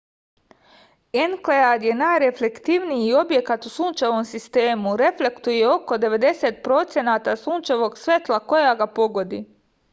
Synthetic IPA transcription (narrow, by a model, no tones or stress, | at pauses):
enklead̪je̞naːjɾe̞flekt̪iʋnijiio̞bje̞kat̪usuːnt͡ʃaʋo̞msist̪e̞ːmuɾe̞fle̞kt̪uje̞o̞ko̞d̪e̞ʋe̞d̪e̞set̪̚pɾo̞t̪sje̞naːt̪asuːnt͡ʃaʋo̞ɡsʋʲet̪lˠako̞jaɡapo̞ɡo̞d̪ḭ